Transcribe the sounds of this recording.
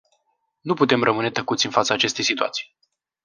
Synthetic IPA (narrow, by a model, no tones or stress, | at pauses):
nuput̪e̞mrəmɨne̞t̪əkut̪sʲɨnfat̪səaːt͡ʃe̞st̪e̞jsit̪ua̰t̪si̥j